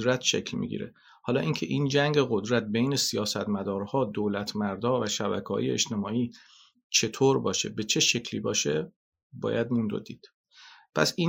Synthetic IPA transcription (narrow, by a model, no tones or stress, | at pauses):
ɾæt̪ʰʃecʰlmḭɡḭɾḛ | hɒːlɒːʔincʰe̞̰ʔiːnd͡ʒæŋɟeɣo̞d̪ɾæt̪̚bejne̞sijɒːsæt̪mæd̪ɒːɾhɒːd̪oːlæt̪ʰmæɾd̪ɒːvæʃæbæ̰kʰhɒ̰ːjḛḛʃt̪e̞mɒːiː | t͡ʃʰe̞t̪ʰoːɾbɒːʃe̞̰be̞t͡ʃʰeʃecʰlḭbɒːʃe | bɒ̰ːjæd̪mund̪o̰d̪iːd̪̥ | pʰæ̰siː